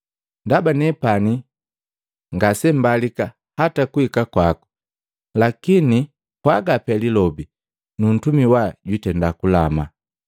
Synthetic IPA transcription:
ndabanɛpani | ŋɡasɛm̩balika | hatakuhikakwaku̥ | lakini | kwaɡapɛlilɔbi | nun̩tumiwaɟwitɛndakulama̰

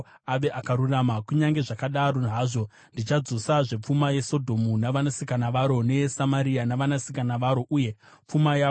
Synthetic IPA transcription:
aʋe̞ʔakaɾuramakuɲaŋɡe̞ʐakaɗaɾo̞ɦaːʐo̞ | ndit͡ʃad͡zo̞saʐe̞p͡fumaje̞so̞dʱo̞munaʋanasikanaʋaɾo̞ne̞samaɾianaʋanasikanaʋaɾo̞ʔuːje̞ | p͡fumaja

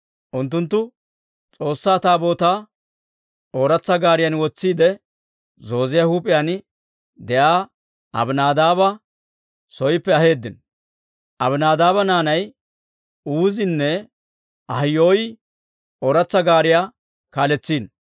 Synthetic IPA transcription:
ʔʊnt̪ːʊnt̪ːʊ | t͡sʼo̞ːsːaːt̪aːbo̞ːt̪aː | oːɾɐt͡sːɐɡaːɾɪjɐnwɔt͡sːiːd̪ɛ | zo̞ːzɪjahuːpʼɪjan | d̪ɛjaː | ɐ̰bnaːd̪aːbɐ | sɔjpːɛɐhe̞ːd̪ːɪn | ʔɐbnaːd̪aːbɐnaːnɐj | uːzɪnːɛ | ɐhjoːj | oːɾɐt͡sːɐɡaːɾɪjaː | kaːlɛt͡sːiːn

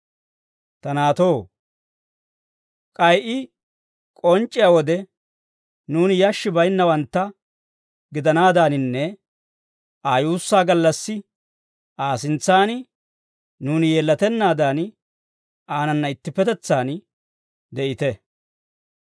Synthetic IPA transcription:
t̪ɐnaːt̪o̞ː | kʼɐjʔɪ | kʼɔnt͡ʃʼːɪjawɔd̪ɛ | nuːnɪjɐʃːɪbɐjnːɐwɐnt̪ːɐ | ɡɪd̪ɐnaːd̪aːnɪnːɛ | ʔaːjuːsːaːɡɐlːɐsːɪ | ʔaːsɪnt͡sːaːnɪ | nuːnɪje̞ːlːɐt̪ɛnːaːd̪aːn | ʔaːnɐnːɐɪt̪ːɪpːɛt̪ɛt͡sːaːn | d̪ɛʔɪt̪ɛ

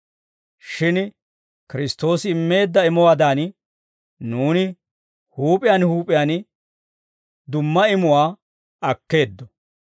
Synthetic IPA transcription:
ʃɪn | kɪɾɪst̪ːo̞ːsɪɪmːe̞ːd̪ːɐɪmɔwaːd̪aːn | nuːnɪ | huːpʼɪjaːnhuːpʼɪjaːn | d̪ʊmːɐɪmʊwaː | ɐkːe̞ːd̪ːɔ̥

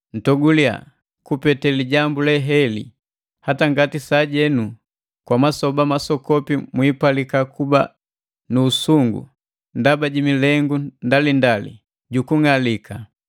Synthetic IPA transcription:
n̩tɔɡulia̰ | kupɛtɛliɟambulɛɦɛlḭ | hataŋɡatisaɟɛnu | kwamasɔbamasɔkɔpimwipalikakuba̰ | nuːsuŋɡṵ | ndabaɟimilɛŋɡundalindalḭ | ɟukuŋalikʰa

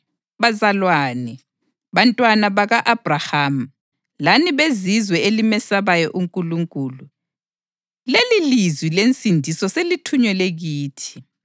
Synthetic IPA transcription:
βazalwaːnɛ | βantʼwanaβaɣaʔab̥raham̩ | laniβezizwɛelimɛsaβajɔʔuŋkʼuluŋkʼuːlu | lelilizwilent͡sʼindʱisɔselitʰuɲɛleɣiːtʰi̥

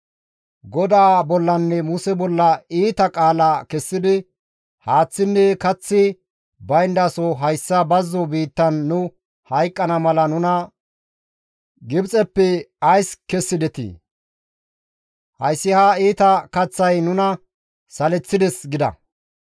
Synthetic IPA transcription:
ɡɔd̪aːbɔlːɐnːɛmʊsɛbɔlːɐiːt̪ɐkʼaːlaːkɛsːɪd̪ɪ | haːt͡sːɪnːɛkɐt͡sːɪ | bɐjnd̪asɔɦɐjsːɐbɐzːɔbiːt̪ːɐnːʊ | hɐjkʼːɐnɐmɐlɐnʊnɐ | ɡɪbt͡sʼɛpːɛɐjskɛsːɪd̪ɛt̪ḭː | hɐjsːɪhaːiːt̪ɐkɐt͡sːɐjnʊnɐ | sɐlɛt͡sːɪd̪ɛsɡɪd̪ɐ̰

